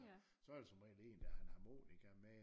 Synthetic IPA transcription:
sɒ̽æɐd̥e̝sɒ̽mʁɛ̰ːnle̝̰ːnd̥æhænhɑ̈mo̝̰ːniɡ̥ɐme

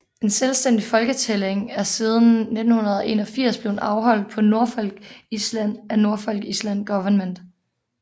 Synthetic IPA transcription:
e̝nselsd̥en̰d̥ifɒ̽lɡ̥ət͡sʰeleŋæɐsið̞ˠn̩ne̝d̥n̩hunɐð̞ˠɒʔe̝̰ːnɒ̽fiɐ̰sb̥le̝ʊnɑ̈ʊɦɒ̽l̰d̥̚pʰɒ̽no̝ɐfɒ̽lɡ̥islæn̰æno̝ɐfɒ̽lɡ̥əislænɡ̥ɒʋɐnmen̰d̥

